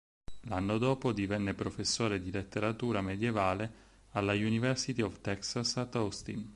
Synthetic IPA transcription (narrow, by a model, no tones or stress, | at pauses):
lanːod̪oːpod̪ivɛnːepɾofesːoːɾed̪ilet̪ːeɾat̪uːɾamed̪jevaːle | alːajunivɛrsit̪iɔvt̪ɛksasat̪ɔst̪in